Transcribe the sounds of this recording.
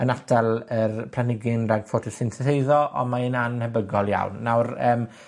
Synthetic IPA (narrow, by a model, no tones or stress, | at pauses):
ənadʰalˠərpʰlanɪɡɪnraɡfɔtʰɔsɪnθɪθejðɔʔɔ̰mainanhəbəɡɔlˠja̰wnːawrəːm